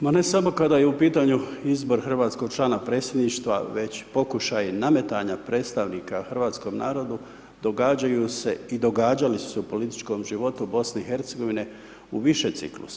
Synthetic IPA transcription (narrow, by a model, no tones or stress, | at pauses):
mane̞samo̞kad̪aːjeupiːt̪aɲuizbo̞ɾxr̩ʋaːt̪sko̞ɡ̥̚t͡ʃlˠaːnapɾe̞ːt̪sʲje̞d̪niːʃt̪ʋa̰ʋe̞t͡ɕpo̞kuʃajiname̞t̪aɲapɾe̞t̪st̪aʋniːkaxrʋaːt̪sko̞mna̰ːɾo̞d̪u | d̪o̞ɡaːd͡ʑajuse̞id̪o̞ɡaːd͡ʑalisu̥supo̞lit̪i̥t͡ʃko̞mʒiʋo̞t̪ubo̞sne̞ixe̞ɾt̪se̞ɡo̞ʋine̞ | uʋiʃet̪sḭklṵsḁ